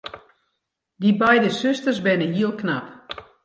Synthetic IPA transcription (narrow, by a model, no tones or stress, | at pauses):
dibɛjdəsøstərzbɪnəɦiəlˠkna̰p